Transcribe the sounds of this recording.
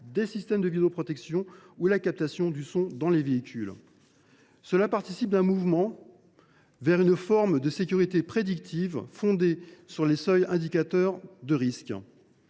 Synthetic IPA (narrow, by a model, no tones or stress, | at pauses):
d̪esist̪ɛmd̪əvid̪eopχɔt̪ɛksjɔ̃ulakap̚t̪asjɔ̃d̪ysɔ̃d̪ɑ̃leveikʲyl | səlapaʁt̪isip̚d̪ɛ̃muvmɑ̃ | vɛʁynfɔʁmd̪əsekʲyʁit̪epχed̪ikt̪ʰivfɔ̃d̪esyʁlesœjɛ̃d̪ikʲat̪œʁd̪əʁisk